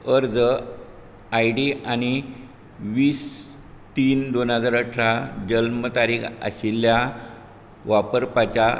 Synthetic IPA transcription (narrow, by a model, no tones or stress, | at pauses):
əɾd͡zə | ajɖiañi | ʋiːs | t̪iːnd̪onɦəd͡zaɾəʈʰɾad͡ʑəlmət̪aɾiːka̰ɕilːja | ʋapəɾpat͡ɕa